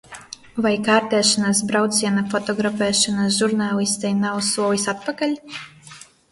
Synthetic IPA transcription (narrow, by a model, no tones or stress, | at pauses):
vajkaːɾt̪ɛːʃɔnasbɾawt̪siɛnafɔt̪ɔɡɾafɛːʃɔnasʒuɾnaːlist̪ɛjnawsuɔlisat̪̚pakalʲ